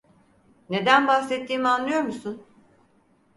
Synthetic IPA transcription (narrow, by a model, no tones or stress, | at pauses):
ne̞d̪ænbaxsɛt̪ʰːiːmianlːˠɯjo̞ɾmusun